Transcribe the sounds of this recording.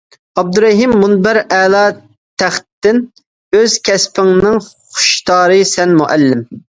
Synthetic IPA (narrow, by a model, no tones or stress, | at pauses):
ɑb̚d̪uɾɛɦimːunbæɾɛːlˠɑː | t̪ʰæχt̪ːɪn | øz̥kʲʰɛspɪŋnɨŋ | χʊ̥ʃt̪ʰɑːɾɨsɛnmuʔɛlːɪm